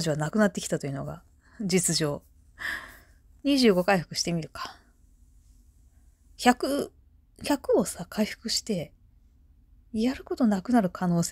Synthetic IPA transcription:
ʑiβanakɯ̟nat̪ːe̞kʲit̪at̪o̞jiɯ̟no̞̰ɡa̰ | d͡ʑit͡sɨʑo̞ː | ɲ̟iʑɨːɡo̞kaiɸɯ̟kɯ̟ɕi̥t̪e̞mʲiɾɯ̟kḁ | çakɯ̟ | çakɯ̟o̞sakʰaiɸɯ̟̥kɯ̟ɕi̥t̪e̞ | jaɾɯ̟ko̞t̪o̞nakɯ̟naɾɯ̟kʰano̞ːs

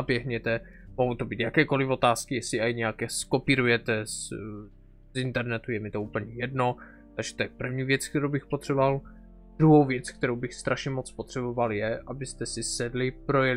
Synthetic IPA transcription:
abjɛɦɲɛt̪ɛ | moɦot̪o̞biːt̪jakɛːko̞lɪfo̞t̪aːskɪjɛsɪajɲɛjakɛsko̞piːɾujɛt̪ɛs | zint̪ɛɾnɛt̪ujɛmɪt̪ouːpl̩ɲɛjɛdno̞ | t̪aɡʒ̥ɛ̥t̪ojɛpr̩vɲiːvjɛt͡skt̪ɛɾowbɪxpot̪r̥ɛboval | d̪̥ɾuɦo̞wvjɛt͡sk̚t̪ɛɾowbɪxst̪ɾʔaʃɲɛmot͡spot̪r̝̥ɛbo̞valjɛʔabɪst̪ɛsɪsɛdlɪpɾo̞jɛl

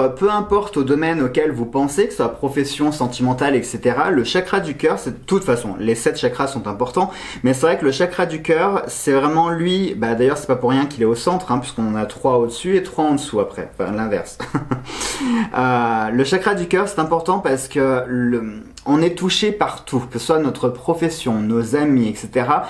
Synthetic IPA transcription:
pøɛ̃pɔʁt̪od̪ɔmɛnokʲɛlvupɑ̃sekə̥swapχɔfɛsjɔ̃sɑ̃t̪imɑ̃t̪alɛkset̪eʁaləʃakχad̪ykʲœʁsɛd̪ət̪ut̪fasɔ̰̃lesɛt̪ʃakχasɔ̃t̪ɛ̃pɔʁt̪ɑ̃ | mɛs̬ɛvʁɛkələʃakχad̪ykʲœʁsɛvʁɛmɑ̃lɥibad̪ajœʁsɛ̥papuʁːjɛ̃kʲilɛosɑ̃t̪χɛ̃pɥiskɔ̃nat̪χwaod̪əsyet̪χwaɑ̃d̪əsuapχɛ̰fa̰lɛ̃vɛ̰ʁs | øləʃakχad̪ykʲœʁsɛ̥t̪ɛ̃pɔʁt̪ɑ̃paʁsə̥kələ | ɔ̃nɛt̪uʃepaʁt̪ʰukəəswanɔt̪χəpχɔfɛsjɔ̃nozamiɛkset̪eʁa

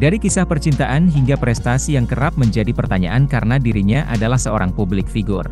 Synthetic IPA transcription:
daɾikisahpərt͡ʃint̪aʔanɦiŋɡapɾɛst̪asijaŋkəɾap̚məɲd͡ʒadipərt̪aɲa̰ʔankaɾənadiɾiɲaʔa̰dalahsəoɾaŋpublɪk̚fiɡʊr

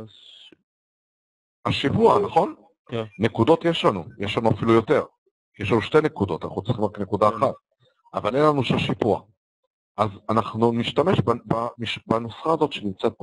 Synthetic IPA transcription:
aʃipuanaχo̞n | nekud̪o̞tjeʃlanujeʃlanuafilujo̞te̞ʁ | jeʃlanuʃte̞jnekud̪o̞̰t̪ana̰χnut͡siχimʁaknekud̪aːχat̪̚ | avalenlanuʃaʃipua̰ | ʔazanaχnuniʃtame̞ʃbbamiʃbanusχaːzo̞t̪ʃenimt͡set̪̚

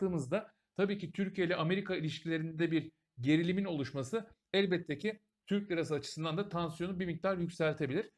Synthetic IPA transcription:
ɯːmɯzd̪a | t̪ʰabiːcit̪ʰyɾcʰijelʲɛʔame̞ɾikʰailʲiʃcʰilʲe̞ɾind̪ed̪ɛbiɾ | ɟe̞ɾilʲimino̞lˠuʃmasɯ | ælʲbɛt̪ʰːecʰi | t̪ʰyɾc̪̚eɾas̬ɯat͡ʃʰɯ̥sɯnd̪and̪at̪ʰansjo̞nubimic̚t̪ʰaɾjycsælʲt̪ʰe̞bilʲiɾ̥

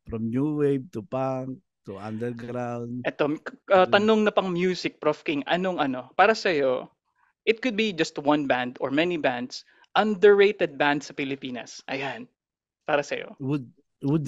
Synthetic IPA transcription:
fɾɔmnuwejb̚t̪upak̚ | t̪uʔand̪ɛɾɡɾawnd̪ʔɛt̪o̞ɐt̪ɐnoŋnɐpɐŋmjuːsɪk̚pɹofkɪŋʔɐ̰no̞ŋʔɐno̞paːɾɐsɐjo̞ | ʔɪt̪̚kʊd̪̚bid͡ʒɐst̪wɐ̃nbãnd̪oɹmɛnibãnd̪s | ʔɐ̃nd̪ɛɹːejt̪ɛd̪̚bãnd̪sɐfɪlɪpiːnɐ̰sʔɐ̰jan | paːɾɐsɐjo̞̰wʊd̪̚ | wʊd̪

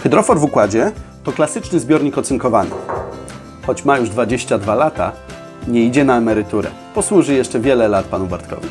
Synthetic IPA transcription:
xɘd̪ɾɔfɔɾvukwad͡ʑɛt̪ɔklasɘt͡ʂnɘzbʲjɔɾɲikɔt̪suŋkɔvanɘ̰ | xɔt͡ɕmajuʐd̪vad͡ʑeɕt͡ɕad̪valat̪a̰ | ɲɛid͡ʑɛnaɛmɛɾɘt̪uɾɛ̰ | pɔswuʐɘjɛʂt͡ʂɛvʲjɛlɛlat̪̚panubaɾt̪kɔ̰vʲi

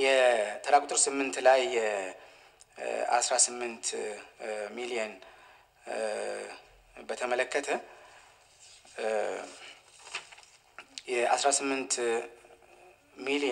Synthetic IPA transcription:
jɛt̪ʰəɾakʼut̪ʼɨɾsɨmːɨnt̪lajɛ | a̰sɾasɨmːɨnt̪ | milijən | bət̪ʰəmələkːət̪ʰə | jɛa̰sɾasɨmːɨnt̪ | mili

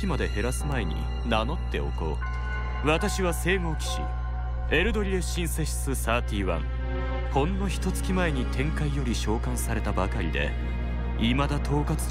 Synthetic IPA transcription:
imad̪e̞he̞ɾasɨmae̞ɲ̟ḭ | nano̞t̪ːe̞̰o̞̰ko̞̰ː | βat̪aɕiβase̞ːmo̞ːkʲi̥ɕḭ | e̞ɾɯ̟d̪o̞ɾʲie̞ɕĩɰ̃se̞ɕi̥sɨsaːt̪ʲiːβã̰ŋ | kõ̞nːo̞çi̥t̪o̞t͡sɨ̥kʲimae̞ɲ̟it̪ʰẽ̞ŋkaijo̞ɾʲiɕo̞ːkãsaɾe̞t̪abakaɾʲid̪e̞̰ | imad̪at̪ʰo̞ːkat͡sɨ̥

